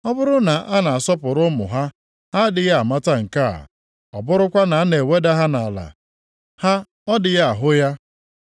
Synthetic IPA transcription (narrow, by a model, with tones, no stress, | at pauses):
ɔ˦bʊ˦ɾʊ˦na˨ʔa˦na˨a˨sɔ˦pʊ˨ɾʊ˦mʊ̰˨ɦa˦ | ha˦dɪ˨ja˦a˨ma˦ta˦ŋ̩˨ka˦˨a̰˨ | ɔ˨bʊ˦ɾʊ˦kʷa˦na˨a˦ne˨we˦da˦ɦa˦na˨la̰˨ | ha˦ | ɔ˦dɪ˨ja˦a˨ɦʊ˦ja˦